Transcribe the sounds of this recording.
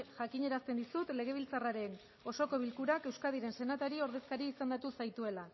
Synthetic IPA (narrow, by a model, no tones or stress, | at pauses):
ʝakiɲe̞ɾast̪end̪isut̪le̞ɣ̞e̞β̞ilt͡saraɾe̞n | o̞so̞ko̞β̞ilkuɾake̞wskaðiɾe̞nse̞nat̪aɾio̞ɾðe̞skaɾiːsand̪at̪usajt̪ue̞la